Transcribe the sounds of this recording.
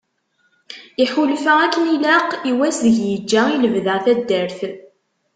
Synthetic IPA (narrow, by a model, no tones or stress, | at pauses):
iħulfəækːənilæqiwæsðəʝjəd͡ʒːæiləvðəʁθæd̪ːæɾθ